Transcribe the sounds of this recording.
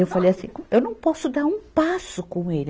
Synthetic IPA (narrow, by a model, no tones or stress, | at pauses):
ewfalejɐsḭ̃kõewnɐ̃w̃pɔsʊd̪aɾũpasʊkõelɪ